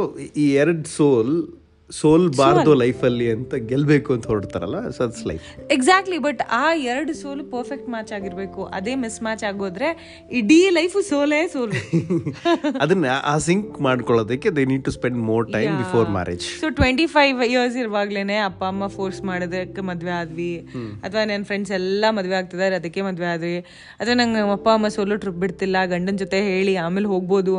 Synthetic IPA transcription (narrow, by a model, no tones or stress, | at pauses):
soiːɛɾəɖsoːl | soːlbaːɾd̪oːlɐjfɐlːiɐnt̪ɐɡɛlbeːkuɐnt̪ɐɦoːɖt̪a̰ːɾɐ̰lːʋasoitslɐ̰jfeɡsaːk̚ʈlibɐʈaːɛɾɐɽusoːlpɐɾfek̚ʈmaːt͡ʃaːɡiɾbeːkuʔɐ̰d̪eːmismaːt͡ʃaːɡoːd̪ɾe̞ | iɖilɐjfsoːlesoːl | ɐd̪ɐnːɐʔaːsiŋkmaːɖkɔɭoːd̪ɐkːed̪eniːɖ̚ʈuspeɳɖmoːɾʈajmbifoːɾma̰ːɾḛd͡ʒsoːʈʋeɳʈipʰɐjʋjiɾsiɾɐʋaːɡleːneːɐpːaɐmːɐfʰoːɾsmaːɽɐd̪ɐkːemɐd̪ʋeaːd̪ʋiɐt̪ʰʋaːnɐnɐfɾeɳɖsɛlːɐmɐd̪ʋeaːɡ̚t̪id̪aːɾiɐd̪ɐkːemɐd̪ʋeaːd̪ʋi | ɐt̪ʰʋanɐŋɡɐɐpːaɐmːɐsoːloʈɾip̚biɽt̪ilːɐɡɐɳɖɐnd͡ʒot̪eɦe̞ːɭiaːmeːlɦo̞ːɡ̚bo̞ːd̪u